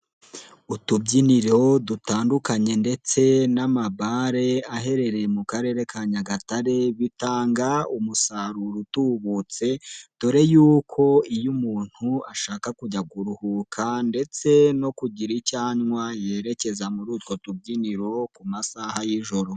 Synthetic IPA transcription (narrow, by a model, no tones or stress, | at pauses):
utubɟiniɾo̞dutaːndukaɲe̞nde̞t͡se̞namaβaɾe̞aɦe̞ɾe̞ɾe̞mukaɾe̞ːɾe̞kʰaɲaɡataɾe̞βitaːŋɡaumusaɾuɾutuβut͡se̞toɾe̞juːkʰo̞ijumuːn̥huaʃaːkakuɟaɡuɾuhukʰande̞t͡se̞no̞kuɟiɾicaːɲŋwaje̞ːɾe̞ce̞zamuɾuːtwo̞tub̚ɟiniɾo̞kumasahajiʒo̞ɾo̞